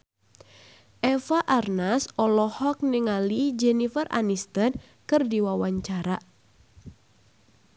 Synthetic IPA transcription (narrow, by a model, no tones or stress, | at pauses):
ʔɛfaʔarnasɔlɔhɔk̚niŋalid͡ʒɛnifərʔa̰nist̪ən | kɨrdiwawaɲt͡ʃaɾa